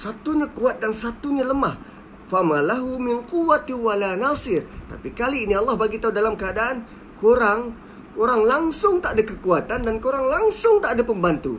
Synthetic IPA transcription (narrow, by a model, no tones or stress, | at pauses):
sat̪uɲakuat̪̚dansat̪uɲaləmah | famalaɦumɪnkuwat̪iwalanasɪrt̪a̰pikaliːniɑlːɑhbaɡit̪audalamkəadaʔan | koɾaŋ | koɾaŋlaŋsʊŋt̪aʔdakəkuat̪andankoɾaŋlaŋsʊŋt̪aʔdapəmbant̪ṵ